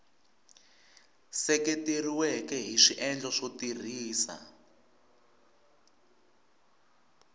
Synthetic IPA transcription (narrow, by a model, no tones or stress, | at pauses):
sɛketeriwɛkɛɦiʂiʔɛnd͡ɮɔʂotir̤iːsa̰